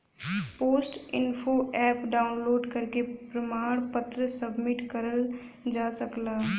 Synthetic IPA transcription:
poːsʈɪnfʰoɛːpɖaːʊnloːɖkəɾkepɾəmaːɽ̃pət̪ɾəsəbmɪʈkəɾəl | d͡ʒaːsəklaː

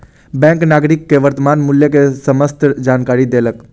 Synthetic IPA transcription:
bɛ̃ːŋknaːɡɾɪkːeʋəɾt̪əmaːnmʊljekesəməst̪ʰd͡ʒaːnkaːɾid̪eːlək

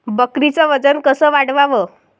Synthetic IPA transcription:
bəkɾit͡saʋəd͡zənkəsəːʋaɽʋaʋəː

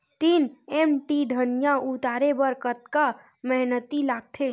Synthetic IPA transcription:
t̪iːnemʈid̪ʱənjãut̪aːɾebəɾkət̪̚ka | məɦnət̪ilaːɡ̚t̪ʰe

